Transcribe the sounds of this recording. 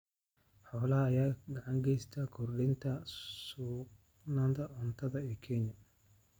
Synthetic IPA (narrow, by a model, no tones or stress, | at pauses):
ħɔːlɐhɐːjaːɡɐʕɑŋɡɛjst̪ʰaːkʰʊrɖɪnt̪ʰɐsuːq | naːnt̪ɐʊnt̪ʰɐðɐɛkʰɛnjɐ